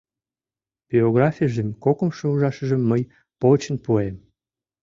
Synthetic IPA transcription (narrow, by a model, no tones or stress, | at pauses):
b̥ioɣrɑfʲijəʒemkokəmʃouʒɑʃəʒəmːəj | pot͡ɕənpuem